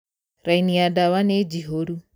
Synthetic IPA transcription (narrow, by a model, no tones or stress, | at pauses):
ɾainiadawaned͡ʒiɦoɾu